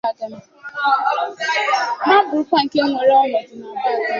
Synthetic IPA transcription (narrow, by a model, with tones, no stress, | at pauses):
a˦dʊ˦m̩˦ | na˦bʊ˨ʊ˦kʷa˦ŋ̩˨ke˦ŋʷe˨ɾɔ˦lʊ˨˦